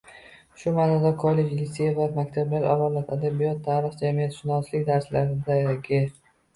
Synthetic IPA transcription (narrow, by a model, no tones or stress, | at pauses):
ʃʊmanad̪akʰɒlːe̞d͡ʒlisejavamakʲt̪ʰablaɾʔavɒlˠat̪ʰad̪abijɒt̪ːʰaːɾɪχd͡ʒamijat̪ʃɪnɒslɪkʲd̪aɾslaɾɪd̪aɡʲe